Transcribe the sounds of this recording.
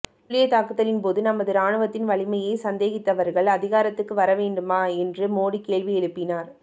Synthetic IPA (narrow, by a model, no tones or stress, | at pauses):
lɪjɐt̪aːkɯt̪ːɐlɪnpoːðɯnɐmɐðɯɾaːɳɯʋɐt̪ːɪnʋɐɭɪmɐjeɪsɐnd̪eːɣɪt̪ːɐʋɐɾɣɐɭɐðɪɣaːɾɐt̪ːɯkːɯʋɐɾɐʋeːɳɖɯmaːɛndrɯmoːɽikːeːɭʋiɛɻɯpːɪnaːɾ